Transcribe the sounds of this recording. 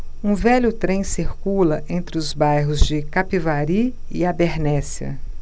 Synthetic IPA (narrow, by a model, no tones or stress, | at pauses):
ũvɛʎʊt̪ɾẽj̃siɾkulɐʔẽnt̪ɾɪʊzbajɦʊzd͡ʒɪkapivaɾi | ɪabeɾnɛsiɐ̰